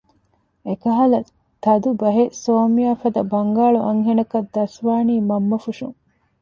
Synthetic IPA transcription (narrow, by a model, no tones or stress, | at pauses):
ekɐɦɐlɐ | t̪ɐd̪ubɐɦesoːmijaːfɐd̪ɐbɐŋɡaːɭuʔɐŋɦenɐkɐd̪ːɐsʋaːniːmɐmːɐfuʂuŋ